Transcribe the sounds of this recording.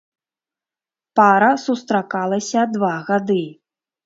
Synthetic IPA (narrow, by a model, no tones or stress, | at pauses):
paɾɐsust̪ɾakalˠɐsʲɐd̪vaɣad̪ɨ